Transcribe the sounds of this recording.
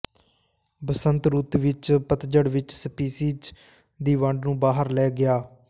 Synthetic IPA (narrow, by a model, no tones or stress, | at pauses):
bəsənt̪ɾuːt̪ʋɪt͡ʃpət̪d͡ʒəɽʋɪt͡ʃsəpiːsiːd͡ʒ | d̪iːʋəɳɖnũːbaːɦəɾlɛːɡɪjaː